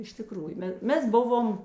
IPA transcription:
ɪʃ tʲɪˈkruːjʊ ˈmʲɛ ˈmʲɛs ˈbʊʋoːm

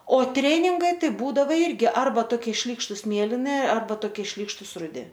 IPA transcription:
oː ˈtʲrʲæːnʲɪŋɡɐɪ ˈtɐɪ ˈbuːdɐʋɐ ˈɪrʲɡʲɪ ˈɐrbɐ ˈtoːkʲiɛ ˈʃʲlʲiːkʃtʊs ˈmʲeːlʲɪnʲɪ ɐrˈbɐ toːˈkʲiɛ ˈʃʲlʲiːkʃtʊs rʊˈdʲɪ

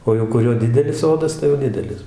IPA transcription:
ˈoː jɛʊ kʊˈrʲoː ˈdʲɪdʲɛlʲɪs ˈsoːdɐs tɐɪ jɛʊ ˈdʲɪdʲɛlʲɪs

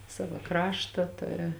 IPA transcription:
ˈsɑːʋɐ ˈkrɑːʃtɐ ˈtʊrʲɪ

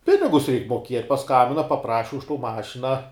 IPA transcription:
ˈpʲɪnʲɪɡʊs rʲɛɪk moːˈkʲiɛtʲ pɐˈskɐmʲbʲɪnɐ pɐˈprɑːʃʲɪ ʊʃ toː ˈmɑːʃʲɪnɐ

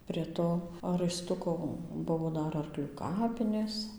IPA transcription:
pʲrʲiɛ ˈtoː rɐɪˈstʊkoː ˈbʊʋoː ˈdɐr ɐrˈklʲuː ˈkɑːpʲɪnʲeːs

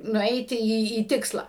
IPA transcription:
nʊˈɛɪtʲɪ ˈiː iː ˈtʲɪkslˠɐ

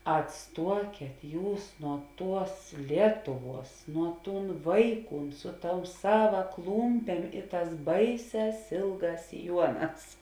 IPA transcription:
ɐtˈstuɔkʲeːt ˈjuːs nuɔ ˈtuɔs ˈlʲiɛtʊˌʋuɔs nuɔ ˈtuːn ˈʋɐɪˌkuːn ˈsʊ ˌtoːʊ ˈsɑːʋɐ ˈklˠuːmʲpʲeːm ɪ ˈtɑːs ˈbɐɪˌsʲɛːs ˈeːlˠˌɡɑːs sʲɪˈjuɔˌnɑːs

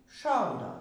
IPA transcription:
ˈʃɐʊdoː

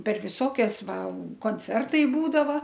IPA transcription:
pʲɛr ˈʋʲɪsoːkʲɛs ˈʋɐ koːnʲˈt͡sʲɛrtɐɪ ˈbuːdɐʋɐ

